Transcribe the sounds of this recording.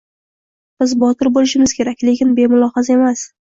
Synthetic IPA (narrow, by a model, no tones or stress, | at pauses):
b̥ɪzbɒt̪ʰɪɾbolɪʃɪmɪz̥kʲe̞ɾakʲle̞kʲɪnbe̞mʊlˠɒhɑzae̞mas